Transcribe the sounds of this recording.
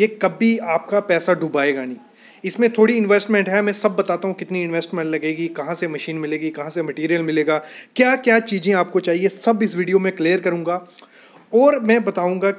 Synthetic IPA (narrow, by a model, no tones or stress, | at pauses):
jeːkɐbiaːp̚kapɛːsaɖʱʊbaːeːɡaːnĩː | ɪsmẽt̪ʰoːɽiɪ̃nʋeːsʈmɛ̃ɳʈɦɛmɛ̃ːsɐbːɐt̪aːt̪aɦũkɪt̪niɪ̃nʋeːsʈmɛ̃ɳʈlɐɡeːɡikɐɦãsemɐʃiːnmɪleːɡikɐɦãsemɐʈiːɾijəlmɪleːɡaːkjaːkjaːt͡ʃiːzẽaːp̚kot͡ʃaːɦiesɐbɪsʋiːɖijomẽkleːəɾkɐɾũːŋɡaː | ɔːɾmɛ̃ːbɐt̪aːũːŋɡa